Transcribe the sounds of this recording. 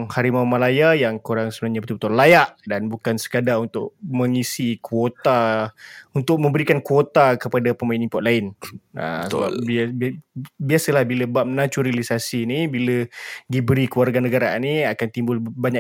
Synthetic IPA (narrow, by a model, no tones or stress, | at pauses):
ŋhaɾimaumalajajaŋkuɾaŋsəbənaɲabət̪ubt̪ɔnlajaʔdanbukansə̥kadaunt̪ʊʔ̚məŋisikwot̪a | unt̪ʊk̚mə̃mbəɾikankwot̪akəpadapəmainipɔʔ̪laɪnə̰səba̰b | biasəlahbiləbap̚mnat͡ʃuɾelisasinibiləɡibɾikluarɡanəɡaɾa̰niakant̪imbʊlbaɲa